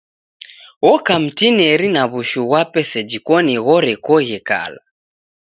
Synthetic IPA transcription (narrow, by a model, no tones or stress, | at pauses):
wɔkam̩tinɛɾinaβuʃuɣwapɛsɛd͡ʒikɔnɛɣɔɾɛkɔɣɛka̰la̰